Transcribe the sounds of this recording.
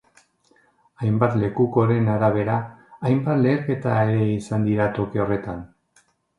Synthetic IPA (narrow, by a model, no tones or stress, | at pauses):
ajmbat̪le̞kuko̞ɾe̞naɾaβ̞e̞ɾaːjmbat̪le̞ːɾke̞t̪ae̞ɾe̞isand̪iɾat̪o̞keo̞re̞t̪an